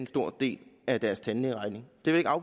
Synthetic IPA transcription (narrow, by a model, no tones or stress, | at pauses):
ensd̥o̝ɐ̰d̥e̝̰ːlæd̥æɐst͡sʰænleʁɑ̈ɪne̝ŋd̥e̝ʋeeɡ̥ɑ̈ʊ̥